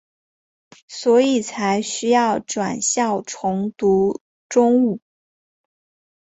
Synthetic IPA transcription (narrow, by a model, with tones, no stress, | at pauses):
swɔ˧˥i˨˩t͡sʰa˧˥ɪɕy˥jɑ˥˩ʊʈ͡ʂwa̰˨˩nɕjɑ˥˩ʊʈ͡ʂʰʊ˧˥ŋt̪u˧˥ | ʈ͡ʂʊ˥ŋu˥˩